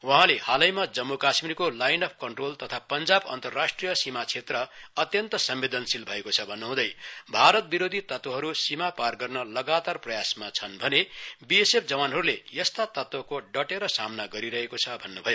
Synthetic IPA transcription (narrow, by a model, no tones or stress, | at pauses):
wãɦãlehalʌjmad͡zʌmːokasmirkolajnɖʌp̚ʰkʌɳʈrolt̪ʌt̪ʰapʌnd͡zabʌ̰nt̪ʌrːasʈrijʌsimat͡sʰet̪rʌʌt̪jʌnt̪ʌsʌmbed̪ʌnsilbʱʌekot͡sʰʌbʱʌnːuɦũd̪ʌjbʱaɾʌt̪̚biɾod̪ʱit̪ʌt̪woɦʌɾusimaparɡʌrnʌlʌɡat̪arprʌjasmat͡sʰʌnbʱʌnebiesep̚ʰd͡zʌwanɦʌɾulejʌst̪at̪ʌt̪wʌkoɖʌʈeɾʌsamnaɡʌɾiɾʌɦekot͡sʰʌbʱʌnːubʱʌjo